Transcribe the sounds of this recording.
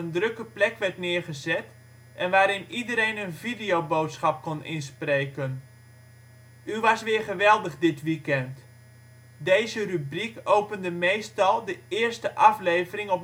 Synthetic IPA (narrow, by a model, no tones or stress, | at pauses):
əndrøkəplɛkʋɛɹtnɪəɹχəzɛt | ʔɛnʋaːɾɪnidəɾejnənvidijobowtsχɑp̚konɪ̰nspreːkən | yʋɑsʋɪːɹχəʋɛlˠdəχdɪtʋikɛnt | dejzərybrikowpəndəmejstɑlˠdəɪːrstəʔɑflejvərɪŋɔp̚